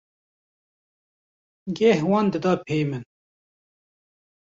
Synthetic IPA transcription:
ɡɛhwɑːnd̪ɨd̪ɑpʰeːjmɨn

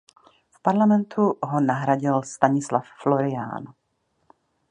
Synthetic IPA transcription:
fpaɾlamɛnt̪ʰuɦonaɦɾaɟɪlst̪aɲɪslaffloɾɪa̰ːn

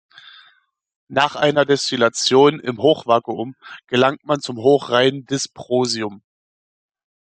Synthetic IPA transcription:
naːχʔaɪnɐdɛstilat͡sjoːnɪ̰mɦoːχv̥akəʊmɡ̥əlaŋtmant͡sʊmɦoːχʁaɪndɪspʁ̥oːziʊm

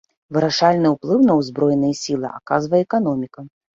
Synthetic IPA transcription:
vɨɾaʂalʲnɨwplˠɨwnɐwzbɾɔjnɐjɛsʲilˠɨ̰ʔa̰kazvɐjɛɛkanɔmʲikɐ

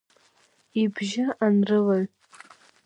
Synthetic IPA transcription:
ibʒaʔanrɨlaɥʼ

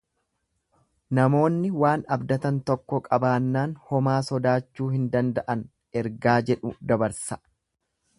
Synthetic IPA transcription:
nɐmo̞ːnːɪwaːnɐbd̪ɐt̪ɐnt̪ɔkːɔkʼɐbaːnːaːnhɔmaːsɔd̪aːt͡ʃːuːhɪnd̪ɐnd̪ɐʔɐn | ɛɾɡaːd͡ʒɛᶑʊd̪ɐbɐɾsɐ

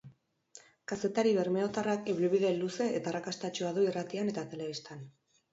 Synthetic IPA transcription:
kase̞t̪aɾiβeɾmeot̪arakeβɾuβiðe̞lːuse̞et̪arakast̪at͡ʃuaðuirat̪iane̞t̪at̪e̞le̞βist̪an

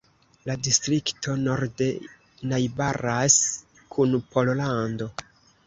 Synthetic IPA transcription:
ladistɾiktʰo̞no̞ɾde | najbaɾas | kʰunpo̞llando̞

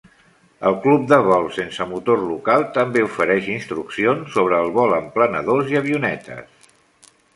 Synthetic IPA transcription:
ə̰lˠklup̚d̪əβɔlˠsensəmut̪orlukalˠt̪əmbeufəɾɛʃinst̪ɾuksionsːoβ̞ɾəːlˠβɔləmplənəðoziəβiunɛt̪ə̰s

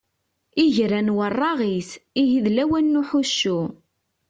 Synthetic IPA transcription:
iʝɾænwərˤːɑʁisijiðlæwænːuħuʃːu

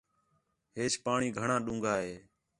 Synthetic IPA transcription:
ɦeːt͡ʃpaːɳiːɡʱəɳãːɗũːŋɡʱaːɦeː

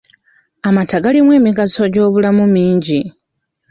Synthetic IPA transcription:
amataɡalimwe̞ːmiɡaso̞ɟo̞ːβulamumiːɲɟi

